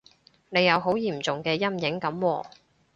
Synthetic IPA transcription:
ne˨˧jɐ˨˧wɦo˨˥wjiː˨˩mt͡sʊ˨ŋkɛː˧jɐ˥mjɪ˨˥ŋkɐ˨˥mwɔː˧

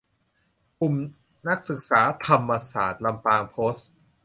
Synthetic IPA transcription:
ku˨˩m | na˦˥k̚sɯ˨˩k̚saː˩˦t̪ʰa˧mːa˧sa̰ː˨˩t̪̚la˧mpaː˧ŋpʰoː˦˥s

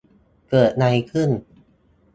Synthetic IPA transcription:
kɤː˨˩t̪̚na˧jkʰɯ˥˩n

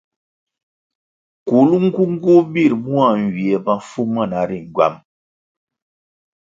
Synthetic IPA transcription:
ku˨lu˦ŋ̩˦ɡu˦ŋ̩˦ɡu˦bi˦˨ɾmu˦a˨ŋ˨ɡi˨ɛ˨ba˦fu˦mə˦˨na˨ɾi˨ŋ˨ɡɥwa̰˦˨m

